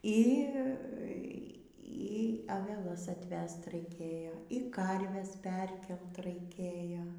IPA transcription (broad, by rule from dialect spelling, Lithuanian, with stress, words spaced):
ˈiː ˈiː ɐʋʲɛˈlˠɐs ɐtʲˈʋʲɛst rɐɪˈkʲeːjoː iː ˈkɐrʲʋʲɛs ˈpʲɛrʲkʲɛlˠt rɐɪˈkʲeːjoː